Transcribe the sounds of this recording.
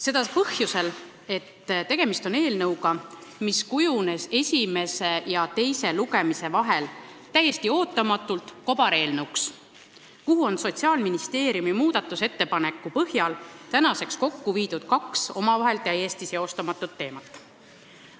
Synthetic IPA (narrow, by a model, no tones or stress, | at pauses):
se̞d̪̥ɑpɤhjuse̞l | e̞t̪ːt̪e̞ɡ̥e̞mist̪o̞ne̞ːlnɤwɡɑ | miskujune̞se̞sʲime̞se̞jɑt̪e̞jse̞luɡe̞mise̞vɑɦe̞l | t̪æjːe̞st̪io̞ːt̪ˑːɑmɑt̪ːˑult̪ˑko̞b̥ɑɾe̞ːlnəwks | kuɦuo̞nso̞t̪siɑːlminist̪e̞ːɾiumimuːd̪̥ɑt̪ːˑuse̞t̪ːe̞pɑne̞kːˑupɤhjɑlt̪ænɑse̞ksko̞kːuviːd̪ud̪̥̚kɑkso̞mɑvɑɦe̞lt̪æjesʲt̪iseo̞st̪ɑmɑt̪ːˑut̪ːe̞ːmɑt̪ːˑ